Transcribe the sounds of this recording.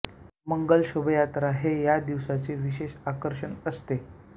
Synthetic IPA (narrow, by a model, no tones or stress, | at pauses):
məŋɡəlɕəbʱəjat̪ɾaɦejad̪iʋsat͡seʋiɕeɕakəɾɕəɳəst̪e